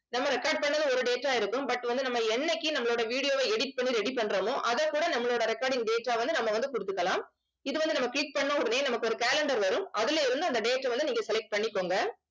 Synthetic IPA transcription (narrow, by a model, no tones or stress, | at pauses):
nɐmːɐɾɛkːɐɾɖ̚pɐɳːɐðɯɔɾɯɖeːʈːaːɪɾɯkːɯmbɐʈːʋɐnd̪ɯnɐmːɐɛnːɐkːinɐmːɐɭoːɽɐʋiːɽɪjoːʋeɛɽɪʈ̚pɐɳːiɾɛɽip̬ːɐɳːɾɐmoːʔɐðɐkːuːɽɐnɐmːɐɭoːɽɐɾɛkːaːɾɖɪŋɡɖeːʈːaːʋɐnd̪ɯnɐmːɐʋɐnd̪ɯkʊɽɯt̪ːɯkːɐlãːm | ɪðɯʋɐnd̪ɯnɐmːɐkɪlɪk̚pɐɳːɐ̃ɔɽɐneːnɐmɐkːɯɔɾɯkaːlɛɳɖɐɾʋɐɾɯmɐðɪleɪɾɯnd̪ɯɐnd̪ɐɖeːʈːɐʋɐnd̪ɯniːŋɡɐsɛlɛk̚ʈ̚pɐɳːɪkːoːŋɡɐ